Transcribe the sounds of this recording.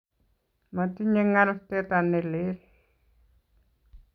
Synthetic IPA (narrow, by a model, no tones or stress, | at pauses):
matiɲɛŋaltɛtanːɛleɾ